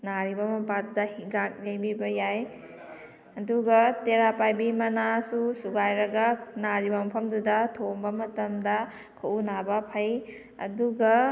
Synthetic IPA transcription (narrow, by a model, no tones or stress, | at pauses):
naɾibɐmɐpadudɐhiɡak̚lejbibɐjaj | ɐduɡɐteɾapajbimɐnasusuɡajɾɐɡɐnaɾibɐmɐpʰɐmdudɐtʰombɐmɐtɐmdɐ | kʰɐʔunabɐpʰɐj | ɐ̰duɡɐ